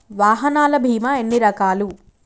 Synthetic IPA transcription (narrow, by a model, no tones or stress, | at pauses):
ʋaːɦɐnaːlɐbʱiːmɐenːiɾɐkaːlu